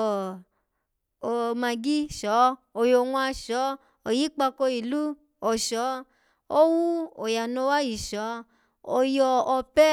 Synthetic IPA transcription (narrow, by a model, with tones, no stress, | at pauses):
o˨mã˧ɡi˦ʃɔ˨˦ | o˨jo˧˨ŋũ˧˦a˧ʃɔ˨˦ | o˨ji˨˦k͡pa˧ko˧i˨lu˦ | ɔ˨ʃɔ˨˦ | o˦wu˦o˨ja˨nõ˧˦wa˦ji˨ʃɔ˨˦ | o˧jɔ˧ɔ˧pɛ˦